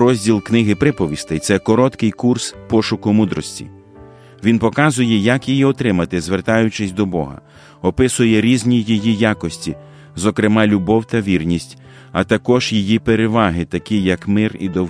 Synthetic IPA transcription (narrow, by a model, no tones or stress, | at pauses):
ɾɔzʲdʲilˠknɪɦɪpɾɪpɔʋʲist̪ɛjt̪sɛkɔɾɔt̪kɪjkurspɔʃʊkʊmud̪ɾɔsʲtʲḭ | ʋʲinpɔkɑzʊjɛjɐkjijiɔt̪ɾɪmɐt̪ɪzʋert̪ɑjʊt͡ʃɪsʲd̪ɔbɔɦɐ̰ | ɔpɪsʊjɛɾʲizʲnʲijijijɑkɔsʲtʲi | zɔkɾemɑlʲʊbɔwt̪ɐʋʲirnʲisʲtʲ | ɐ̰t̪ɐkɔʒjijipeɾeʋɑɦɪt̪ɐkʲijɐkmɪrḭd̪ɔw